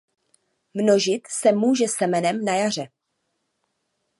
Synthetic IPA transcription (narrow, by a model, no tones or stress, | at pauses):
mno̞ʒɪt̪sɛmuːʒɛsɛmɛnɛmnajar̝ɛ